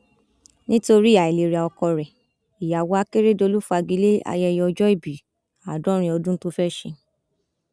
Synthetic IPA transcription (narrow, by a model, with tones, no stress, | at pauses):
nĩ˦to˧ɾi˦˨ja˨e˨le˨ɾɛ˨ɔ˧kɔ˧ɾɛ˨ | i˨ja˨wo˨˦a˦ke˦ɾe˦˨do˧lu˦fu˦a˧ɡi˨˦le˦a̰˧jɛ˧jɛ˧ɔ˧d͡ʒɔ˦i˦˨bi˨ | a˨dɔ̃˦ɾ̃ĩ˧˦ɔ˧dũ˦n̩˦to˦fɛ˦˨ʃḛ˧